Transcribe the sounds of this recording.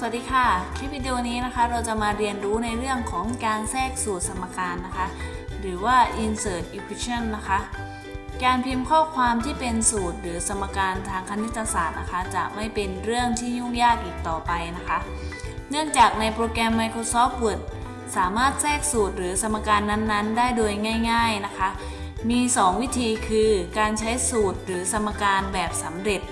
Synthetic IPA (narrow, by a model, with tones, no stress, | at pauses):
sa˧a˨˩t̪̚diː˧kʰaː˥˩kʰɾi˦˥pʰi˧˩di˧wniː˦˥na˦˥kʰa˦˥ɾa˧wt͡ɕa˨˩maː˧ɾi˧ənɾuː˦˥na˧jɾɯ˥˩əŋkʰɔː˩˦ŋkaː˧nsɛː˥˩k̚suː˨˩t̪̚sʰa˧mːa˧kaː˧nːa˦˥kʰa˦˥ʔɾɯː˩˦waː˥˩ʔi˧nsɤː˨˩t̪̚ʔi˧˥pʰi˧˥t͡ɕʰa˥˩nːa˦˥kʰa˦˥ʔ | kaː˧npʰi˧mkʰɔː˥˩kʰwaː˧mt̪ʰiː˥˩pe˧nsuː˨˩t̪̚ɾɯː˩˦sʰa˧mːa˧kaː˧nt̪ʰaː˧ŋkʰa˧ni˦˥t̪ʰːa˧saː˨˩t̪̚na˦˥kʰa˦˥t͡ɕa̰˨˩ʔma˥˩jpe˧nɾɯ˥˩əŋt̪ʰiː˥˩ɲu˥˩ŋjaː˥˩k̚ʔiː˨˩k̚t̪ɔː˨˩pa˧jna˦˥kʰa˦˥ʔ | nɯ˥˩əŋt͡ɕaː˨˩k̚na˧jpɾoː˧kɛ˧mːa˧jkʰɾoː˧sɔː˦˥p̚bu˨˩ət̪̚ | saː˩˦maː˥˩t̪̚sɛː˥˩k̚suː˨˩t̪̚ɾɯː˩˦sa˧mːa˧kaː˧nːa˦˥nːa˦˥ndaː˥˩jdoː˧jŋaː˥˩jŋaː˥˩jna˦˥kʰa˦˥ʔ | miː˧sɔː˩˦ŋwi˦˥t̪ʰiː˧kʰɯː˧kaː˧nt͡ɕʰa˦˥jsuː˨˩t̪̚ɾɯː˩˦sʰa˧mːa˧kaː˧nbɛː˨˩p̚sa˩˦mɾe˨˩t̪̚